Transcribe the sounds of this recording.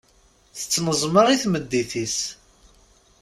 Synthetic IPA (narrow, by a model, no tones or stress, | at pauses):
θə̥t͡sːnəzˤməʁiθməd̪ːiθis